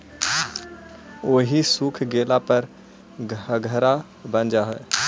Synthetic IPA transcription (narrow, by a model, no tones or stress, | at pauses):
oːɦisuːkʰɡeːlapəɾ | ɡʱɡʱəɾa | bə̃nd͡ʒaɦoe